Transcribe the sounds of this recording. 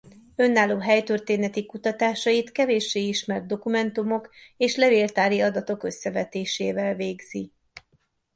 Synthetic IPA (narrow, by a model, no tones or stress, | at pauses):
ø̞nːaːlːoːɦɛjt̪ørt̪eːnɛt̪ikut̪ɒt̪aːʃɒjit̪kɛveːʃːeːiʃmɛrd̪̚d̪o̞kumɛnt̪umo̞keːʃlɛveːlt̪aːɾiɒd̪ɒt̪o̞kø̞sːɛvɛt̪eːʃeːvɛlveːɡz̥i